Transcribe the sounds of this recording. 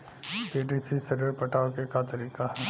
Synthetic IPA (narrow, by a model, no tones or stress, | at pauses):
piːɖisisɐɾiɾpɐʈʰaːokekat̪ɐɾiːkaɦɛː